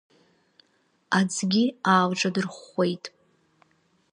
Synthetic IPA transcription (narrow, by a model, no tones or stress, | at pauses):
ad͡zɡʲiaːwʈ͡ʂʼadɨrχe̞jtʼ